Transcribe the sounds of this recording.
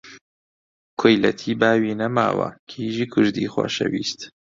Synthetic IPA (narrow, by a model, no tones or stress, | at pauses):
kʰojlɐt̪ʰiːbaːwiːnɐma̰ːwɐ̰kʰiːʒiːkʰʊɾd̪iːxwo̰ːʃɐ̰wiːst̪